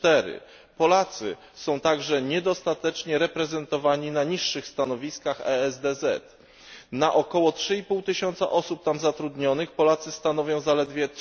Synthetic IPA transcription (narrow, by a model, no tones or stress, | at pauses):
t̪ɛɾɘ̰ | pɔlat̪sɘ | sɔ̃w̃t̪aɡʐɛɲɛd̪ɔst̪at̪ɛt͡ʂɲɛɾɛpɾɛzɛnt̪ɔvaɲinaɲiʂːɘxst̪anɔvʲiskaxɛ̰ɛzd̪ɛzɛ̰t̪ | naʔɔkɔwɔtʂɘipuwt̪ɘɕɔnt̪sa̰ʔɔsup̚t̪amzat̪ɾud̪ɲɔnɘxpɔlat̪sɘst̪anɔvʲjɔ̃w̃zalɛd̪vʲjɛ